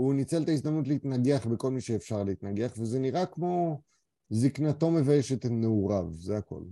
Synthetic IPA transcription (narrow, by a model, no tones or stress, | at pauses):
unit͡selt̪aizd̪amnut̬leit̪naɡeaχbeko̞lmiʃeːfʃaʁleit̪naɡeaχvezeniʁakmo̞ | ziknat̪o̞me̞vajeʃet̪neuʁavzeako̞̰l